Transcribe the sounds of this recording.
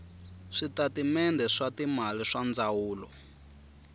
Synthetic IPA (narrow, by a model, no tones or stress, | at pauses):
ʂitatimɛndɛʂatimaliʂand͡zawuːlɔ̰